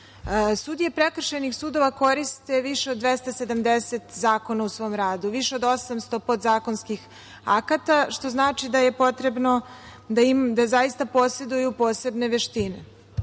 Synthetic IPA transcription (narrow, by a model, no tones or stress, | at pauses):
sud̪ijepɾekr̩ʃenixsuːd̪o̞ʋako̞ɾist̪e̞ʋiʃeod̪d̪ːʋest̪ase̞d̪amd̪eset̪zaːko̞nausʋo̞mɾaːd̪uʋiʃeod̪o̞samst̪o̞pot̪zaːkonskix | a̰kat̪aʃt̪o̞znaːt͡ʃid̪ajepo̞t̪ɾe̞bno | d̪aimd̪azajist̪apo̞se̞d̪ujupo̞ːse̞bne̞ʋeʃt̪ine